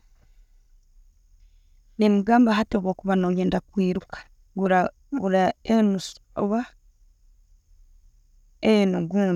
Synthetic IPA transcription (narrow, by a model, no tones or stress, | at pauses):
nemuɡaːmbaɦatoβoːkuβanojeːndakwiːɾukḁ | ɡu | ɡuɾaenusβa | enuɡuː